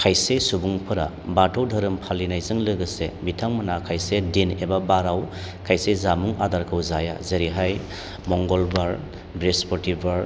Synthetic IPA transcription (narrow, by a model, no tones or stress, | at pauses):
kʰajsesubuŋpʰɯɾa̰ | batʰɔwdʱɐɾɯmpʰalːinajzɯŋlɯɡɯsḛbitʰaŋmanakʰajsedinebabaɾaw | kʰajsezamuŋʔadaɾkʰɯwzaja̰zeɾiɦaj | mɔŋɡɔlbaɾ | bɾespɔɾtibaɾ